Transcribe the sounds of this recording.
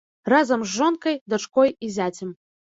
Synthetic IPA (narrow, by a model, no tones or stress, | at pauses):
razɐmʒːonkɐjd̪ɐt͡ʂkojizʲat͡sʲɪm